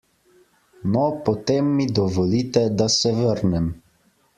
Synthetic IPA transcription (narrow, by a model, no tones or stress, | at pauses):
nɔpɔt̪emːid̪ɔʋɔliːt̪ɛd̪asɛʋəɾnɛm